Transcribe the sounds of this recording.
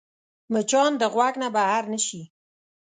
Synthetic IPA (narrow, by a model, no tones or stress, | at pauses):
mət͡ʃɑnd̪əɣwaknabahaɾnəʃi